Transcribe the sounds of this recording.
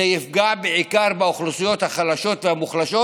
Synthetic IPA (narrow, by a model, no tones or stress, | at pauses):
ejifɡabeʕikaʁbaoχlusijo̞t̪haχalaʃo̞t̪vehamuχlaʃo